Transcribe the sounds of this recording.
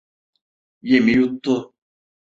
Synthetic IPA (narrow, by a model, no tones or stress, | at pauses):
jemijut̪ːo